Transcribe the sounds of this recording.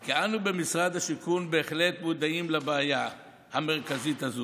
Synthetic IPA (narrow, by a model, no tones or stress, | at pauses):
kianube̞misʁad̪haʃikunbe̞ːχle̞t̪mud̪aimlabeaja | hame̞ʁkazit̪hazo